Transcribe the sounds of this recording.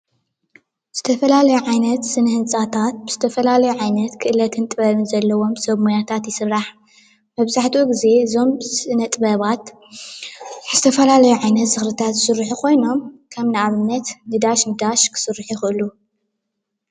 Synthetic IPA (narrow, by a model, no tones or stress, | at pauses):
z̥ɨt̪ʰɐfɐlalɐjuʕajnɐt̪sɨnɐhɨnsʼat̪ʰat̪̚bɨz̥ɨt̪ʰɐfɐlalɐjuʕajnɐt̪kʰɨʔɨlɐt̪ʰɨnt̪ʼɨβɐβɨnzɐlːɐwo̞msɐβmujat̪ʰat̪jɪsɨɾɾaħ | mɐβzaħt̪ʰuɡize̞zo̞msɨnɐt̪ʼɨβɐβat̪ | zɨt̪ʰɐfɐlalɐjuʕajnɐt̪z̥ɨxɾɨt̪ʰat̪zɨsɨɾːiħukʰo̞jno̞mkʰɐmnɨaβɨnːɐt̪nɨd̪aʃnɨd̪aʃkʰɨ̥sɨrːiħjuxɨʔɨlu